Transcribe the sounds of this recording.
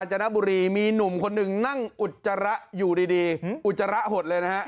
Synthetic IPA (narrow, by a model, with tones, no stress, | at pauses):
t͡ɕa˧na˦˥buː˧ɾiː˧miː˧nu˨˩˦mkʰo˧nːɯ˨˩ŋna˥˩ŋʔu˨˩t̪̚t͡ɕa˧ɾa˦˥ʔjuː˨˩diː˧diː˧ʔt̪̚t͡ɕːa˧ɾa˦˥ʔɦo˨˩t̪̚lɤː˧jna˦˥ha˦˥ʔ